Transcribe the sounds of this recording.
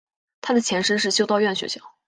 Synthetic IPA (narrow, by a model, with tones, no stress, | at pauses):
t̪ʰa˥d̪ə˨t͡ɕʰjɛ˧˥nʂɻ̩ə˥˧ʂɻ̩˥˩t͡ɕjo˥ʊt̪ɑ˥˧ʊɥɛ˥˩nɕɥɛ̰˧˥ɕjɑ˥˩˦ʊ